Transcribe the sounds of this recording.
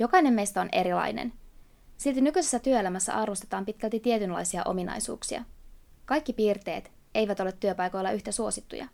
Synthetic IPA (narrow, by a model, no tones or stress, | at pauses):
jo̞kɑjne̞mːe̞jst̪æo̞ne̞ɾilɑ̰jnḛn | silt̪inykyse̞sːæt̪yøelæmæsːæ̰ʔɑrʋost̪e̞t̪ɑːmpit̪̚kælt̪it̪ie̞t̪ynlɑ̰jsiɑ̰ʔo̞̰minɑ̰jsṵːksiɑ̰kɑjkːipiːrt̪e̞̰ːt̪ | e̞jʋæt̪ole̞t̪ːyøpɑjko̞jlːɑʔyçt̪æsuo̞sit̪ːṵjɑ̰